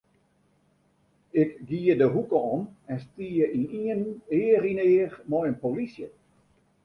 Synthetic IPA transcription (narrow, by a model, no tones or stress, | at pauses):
ɪkɡiədəɦukəɔnɛnstiəʔiniəneːrineːərmɔjənpolisjə